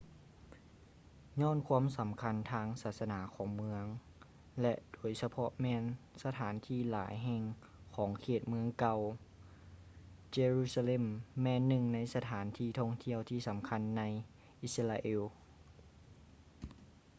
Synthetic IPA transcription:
ɲɔː˧˥˨nkʰuː˧˥əmsa˩˦mkʰa˧˥nt̪ʰaː˧˥ŋsaː˧˩t̪̚sa˧naː˩˦kʰɔː˩˦ŋmɯ˧˥əŋ | lɛ˧ʔd̥oː˩˦jsa˧pʰɔ˧ʔmɛː˧˥nsa˧t̪ʰaː˩˦nt̪ʰiː˧˩laː˩˦jɦɛ˧ŋ | kʰɔː˩˦ŋkʰeː˧˩t̪̚mɯ˧˥əŋka˧w | t͡ɕeː˧ɾuː˧˩sa˧le˧˥˨mːɛː˧˥nːɯ˧˩ŋna˧˥jsa˧t̪ʰaː˩˦nt̪ʰiː˧˩t̪ʰɔ˧˩ŋt̪ʰi˧əwt̪ʰiː˧˩sa˩˦mkʰa˧˥nːa˧˥j | ʔi˧sa˧la˧ʔeː˧w

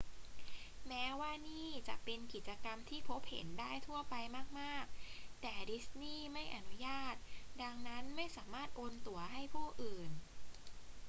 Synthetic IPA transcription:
mɛː˦˥waː˥˩niː˥˩t͡ɕa˨˩ʔpe˧nki˨˩t̪̚t͡ɕa˧ka˧mt̪ʰiː˥˩pʰo˦˥p̚hḛ˩˦ndaː˥˩jt̪ʰu˥˩ɐpa˧jmaː˥˩k̚maː˥˩k̚t̪ɛː˨˩di˦˥sniː˥˩ma˥˩jʔa˧nu˦˥jaː˥˩t̪̚da˧ŋna˦˥nma˥˩jsaː˩˦maː˥˩t̪̚ʔoː˧nt̪u˧˩ɐɦa˥˩jpʰɔː˥˩ʔɯː˨˩n

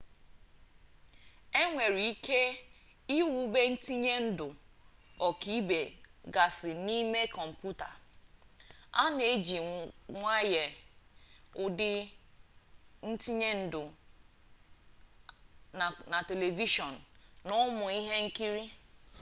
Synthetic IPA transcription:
e˦ŋʷe˨ɾi˨i˦ke˦ | i˦wu˨˦be˦n̩˦ti˦ɲe˦n̩˦dʊ˨ɔ˨ki˨i˦be˨ɡa˨sɪ˨ni˦me˦kɔ˨m̩˨pju˦ta̰˨ | a˦ne˨˦d͡ʒi˨ŋʷa˦je˨ | ʊ˦dɪ˦ | n̩˦ti˦ɲe˦n̩˦dʊ˨ | na˨te˨le˨vi˦ʃɔ˨n̩˨nʊ˦mʊ˨i˦ɦe˦ŋ̩˦ki˦ɾi˦

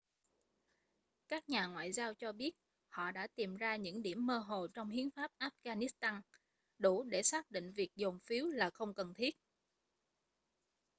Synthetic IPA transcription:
kaː˦˥k̚ɲaː˨˩ŋwa̰ː˧˨jzaː˧wt͡ɕɔ˧ɓi˦˥ət̚ | hɔ̰˧˨ɗa̰ː˧˥t̪i˨˩mzaː˧ɲɨ̰˧˥ŋɗḭ˧˩əmːəː˧ɦo˨˩t͡ɕɔ˧wŋ͡mhi˨˦ənfaː˦˥p̚ʔaː˦˥p̚ɣaː˧ni˦˥st̪aː˧n | ɗu˧˩ɗe˧˩saː˦˥k̚ɗḭ˧˨ŋ̟vi˨˩ək̚zo˨˩ŋ͡mfi˨˦wlaː˨˩xə˧wŋ͡mkə˨˩nt̪ʰi˦˥ət̚

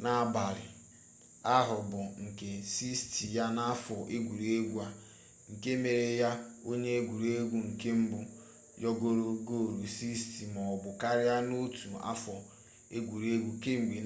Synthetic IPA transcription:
na˦ba˨ɾɪ̰˨ | a˦ɦʊ˨bʊ˨ŋ̩˨ke˨si˦sti˨ja˦na˦fɔ˨ʔe˦ɡʷu˨ɾe˦ɡʷu˦a˨ | ŋ̩˨ke˦me˨ɾe˨ja˦o˦ɲe˦e˦ɡʷu˨ɾe˦ɡʷu˦ŋ̩˨ke˦m̩˦bʊ˦ | jɔ˦ɡo˦ɾo˦ɡo˦˨ɾu˨si˦sti˨mɔ˨bʊ˨ka˦ɾɪ˦ja˦no˦tʰu˨a̰˦fɔ˨ | e˦ɡʷu˨ɾe˦ɡʷu˦ke˦ŋ̩˨ɡʷi˨

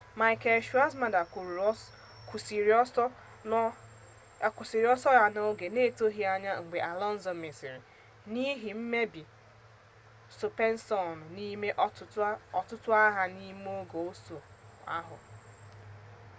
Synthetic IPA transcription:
ma˨ɪ˨ke˨ʃu˦a˦sma˨da˨ku˨˦ | ks | ku˨si˨ɾi˨˦ɔ˦sɔ˦ja˦no˦ɡe˨ne˦˨to˦ɦi˦a˦ɲa˦ŋ͡m̩˨ɡ͡be˨ʔa˨lɔ˦n̩˦zɔ˨me˨si˨ɾi˨ | ni˦ɦi˨m̩˦me˦bi˨ | su˨pe˦n̩˦sɔ˨n˨ni˦me˦ʔɔ˨tʊ˦tʊ˦a˦ɦa˦ni˦m˦o˦ɡo˨o˦so˨a̰˦ɦʊ̰˨

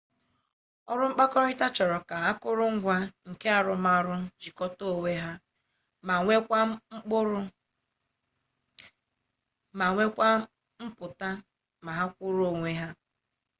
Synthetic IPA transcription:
ɔ˦ɾʊ˦ŋ͡m̩˦k͡pa˦kɔ˦ɾɪ˦ta˦t͡ʃɔ˨ɾɔ˨ka˨a˦kʊ˦ɾʊ˦ŋ̩˦ɡʷa˦ŋ̩˨ke˦a˨ɾʊ˨ma˨ɾʊ˦t͡ʃi˨kɔ˦to˦˨we˦ɦa˦ | ma˨ŋʷe˦kʷa˦ŋ͡m̩˦k͡pʊ˦ɾʊ˦ | ma˨ŋʷe˦kʷa˦ | m̩˦pʊ˨ta˦ | ma˨ɦa˦kʷʊ˦ɾo˦˨ŋʷe˦ɦa˦

